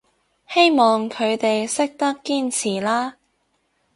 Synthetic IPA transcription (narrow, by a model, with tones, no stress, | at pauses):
he˥jmɔː˨ŋkʰɵ˨˧ɥt̪e˨jsɪ˥k̚t̪ɐ˥kːiː˥nt͡sʰiː˨˩laː˥